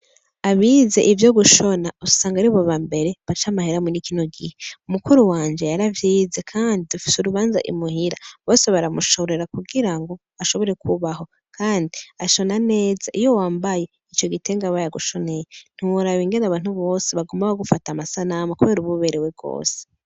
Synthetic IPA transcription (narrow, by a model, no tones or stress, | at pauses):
aβiːze̞̰ʔivjo̞ɡuʃo̞nausaːŋɡaɾiβoβambe̞ɾe̞βat͡ʃamaheɾamunikinoɡiheumukuɾuwaːnd͡ʒe̞jaɾavjiːzekʰaːndidufi̥suɾuβaːnza̰ʔḭmuhiɾaβo̞ːse̞βaɾamuʃo̞ɾe̞ɾakuɡiɾaŋɡo̞ | aʃo̞βo̞ɾe̞kʰuβaɦo̞ | kʰaːndiaʃo̞nane̞ːzaʔijo̞waːmbaje̞ | it͡ʃo̞ɡiteŋɡaβajaɡuʃo̞ne̞jen̥iwuɾaβiŋɡe̞naβaːn̥huβo̞ːse̞βaɡomaβaɡufatamasanamakuβe̞ɾuβuβe̞ɾewe̞ɡo̞̰ːse̥